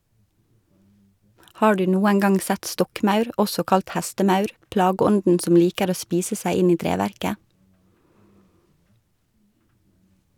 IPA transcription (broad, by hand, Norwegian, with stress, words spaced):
ˈhɑː ˈɖʉː ˈnuːæn ˈɡɑŋ ˈsæt ˈstɔkˌmɑʉɾ ˈɔsɔ ˈkɑlt ˈhæstəˌmɑʉɾ ˈplɑːɡəˌɔndn̩ ˈsɔm ˈliːkəɾ ˈoː ˈspiːsə ˈsæɪ ˈɪn ˈiː ˈtɾeːʋæɾkə